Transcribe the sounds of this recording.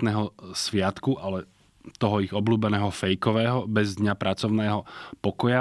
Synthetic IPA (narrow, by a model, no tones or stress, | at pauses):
t̪nɛːɦɔsʋɪat̪kuʔalɛ | t̪ɔɦɔiɣɔbluːbɛnɛːɦɔfɛjkɔʋɛːɦɔbɛzd̪ɲapɾʔat͡sɔʊnɛːɦɔpɔkɔja